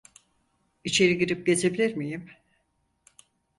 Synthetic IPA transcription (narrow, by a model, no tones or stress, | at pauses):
it͡ʃʰe̞ɾiɡiɾip̚ɟe̞d͡ʒʰe̞bilʲiɾmijim